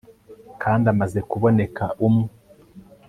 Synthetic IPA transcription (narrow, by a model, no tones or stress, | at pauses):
kʰaːndamaze̞kuβo̞ne̞kaʔumŋe